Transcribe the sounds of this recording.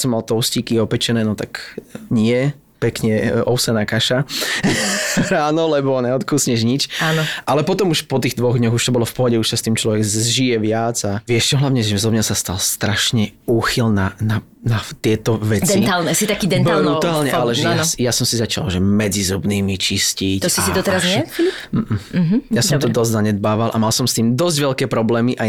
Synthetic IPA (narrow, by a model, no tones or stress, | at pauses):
sɔmalt̪ɔʊsciːkiɔpɛt͡ʃɛnɛːnɔt̪akɲɪɛ | pɛkɲɛɔʊsɛnakaʃa | ɾaːnɔlɛbɔɲɛɔt̪kuːsɲɛʒɲit͡ʃaːnnɔʔalɛpɔt̪ɔmuʃpɔt̪iːɣd̪ʋɔɣd̪ɲɔɣuʃt̪ɔbɔlɔfpɔɦɔɟɛuʃsast̪iːmt͡ʃlɔʋɛɡzʒijɛʋɪad͡zaʋɪɛʃt͡ʃɔɦlaʊɲɛʒɛzɔbɲasast̪alst̪ɾaʃɲɛuːxilnana | nat̪ɪɛt̪ɔʋɛd̪ɛint̪alˠnɛsit̪akiːd̪ɛnbaɾut̪aːlɲɛalɛʒɛaansjasɔmsizat͡ʃa̰lʒɛmɛd͡zizɔbniːmit͡ʃiscict̪siid̪ɔt̪ɛɾaznɛm̩m̩ɦ̩jasɔmt̪ɔd̪ɔzzaɲɛd̪̚baːʋalʔa̰malsɔmst̪iːmd̪ɔzɟʋɛʎkɛːpɾɔblɛːmiʔaj